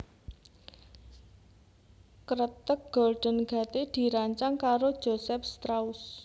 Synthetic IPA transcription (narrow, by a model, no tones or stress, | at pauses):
kəɾət̪ək̚ɡ̥ɔlɖ̥ənɡ̥ä̤t̪ed̪̥i̤ɾaɲt͡ʃaŋkaɾod̥ʒ̥osɛpst̪ɾaʊs